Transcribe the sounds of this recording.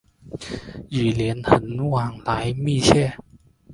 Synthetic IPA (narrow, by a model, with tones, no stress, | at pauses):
jiː˨˩li˨˦ənhʰə˨˧˦n˦waː˧˩ŋlaː˨˦˥jmiː˥˨t͡ɕɛː˥˩